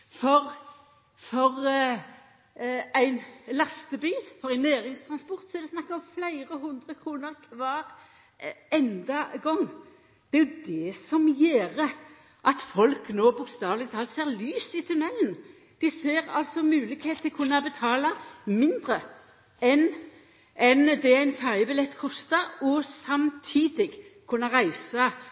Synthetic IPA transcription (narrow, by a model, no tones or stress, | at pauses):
fɔʁ | fɔʁ | æɪnlɑst̪əbyːfɔɾæɪnæːɾɪŋst̪ʰʁɑnspɔʁt̪sɔɛd̪ɛsnɑkːəɔmflæɪʁəɦʉnd̪ʁəkʰʁuːnəʁkʰʋɑːɾ | ɛnd̪ɑɡɔŋː | d̪̥ɛæɾjʊd̪ɛsɔmjeːɾə | ʔɑt̪fɔlknoːbʊkst̪ɑːʋlɪt̪ʰɑːlseːʁlyːsɪt̪ʰʉnɛln̩ | d̪̥ɪseːʁɑ̰lsɔmʉːlɪɡheːt̪ʰɪlkʰʉnːɑbət̪ʰɑːlɑmɪnd̪ɾə | ɛn | ʔɛnd̪ɛæɪnfæʁjəbɪlɛt̪ːkʰɔst̪ɑɔsɑmt̪ʰiːd̪ɪɡkʰʉnːɑʁæɪsɑ